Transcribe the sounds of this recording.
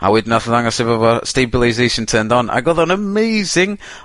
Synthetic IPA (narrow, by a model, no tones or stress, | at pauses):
a̰wɪdnaθəðaŋɔsɪvəvɔstebɪlˠajzejʃə̃ntʰəːndɔna̰ɡɔðənəmejzɪŋ